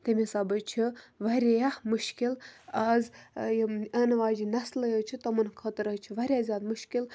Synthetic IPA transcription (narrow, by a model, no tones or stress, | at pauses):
t̪ɐmʲisɐbɐt͡ʃʰiʋɐɾʲejamuʃkilɐzjɐnɐʋaːd͡ʒinɐslɐjət͡ʃʰit̪ɐmɐnkʰɐt̪ɾɐt͡ʃʰiʋɐɾʲjaːzʲaːd̪muʃkil